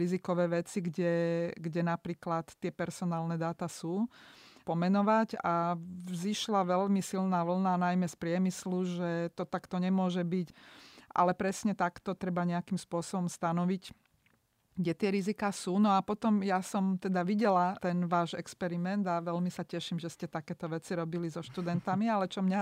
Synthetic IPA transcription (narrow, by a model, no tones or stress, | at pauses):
ɾizikɔʋɛːʋɛt͡siɡɟɛɡɟɛnapɾiːklat̪ːɪɛpɛɾsɔnaːlnɛd̪aːt̪asuːpɔmɛnɔʋaɟaziʃlaʋɛʎmisilnaːʋl̩nanajmɛspɾɪɛmisluʒɛt̪ɔt̪akt̪ɔɲɛmʊɔʒɛbicʔa̰lɛpɾɛsɲɛt̪akt̪ɔt̪ɾɛbaɲɛakimspʊɔsɔbɔmst̪anɔʋic | ɡɟɛt̪ɪɛɾizikaːsuːnɔapɔt̪ɔmjasɔmt̪ɛd̪aʋiɟɛlat̪ɛnʋaːʒɛkspɛɾimɛnd̪aʋɛʎmisacɛʃimʒɛscɛt̪akɛːt̪ɔʋɛt͡siɾɔbilizɔʃt̪ud̪ɛnt̪amialɛt͡ʃɔmɲa